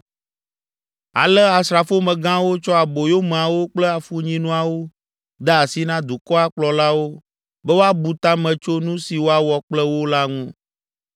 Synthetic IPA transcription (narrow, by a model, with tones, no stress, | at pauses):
a̰˨lɛ˦a˨sɾa˨fo˦mɛ̃˨ɡã˦wo˦t͡ʃɔ˦a˨bo˨jo˦mɛ̃˨a˨wo˦k͡plɛ˦a˨fu˦ɲĩ˦nũ˦a˨wo˦ | d̪a˦a˨si˦nã˦d̪u˨kɔ˦a˦k͡plɔ˨la˦wo˦ | bɛ˦wo˦a˦bu˨t̪a˦mɛ̃˨t͡ʃo˦nũ˦si˨wo˦a˦wɔ˨k͡plɛ˦wo˦la˦ŋũ˦